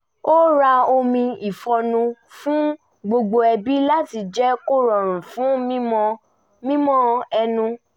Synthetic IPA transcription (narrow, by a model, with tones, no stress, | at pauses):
o˦ɾa˧o˧mĩ˧i˨fɔ˧nũ˧fũ˦ | ɡ͡bo˧ɡ͡bo˧ɛ˧bi˦la˦ti˧d͡ʒɛ˦ko˦ɾɔ˨ɾ̃ũ˨fũ˨˦mĩ˦mɔ̃˧ | mĩ˦mɔ̃˦ɛ˧nũ˧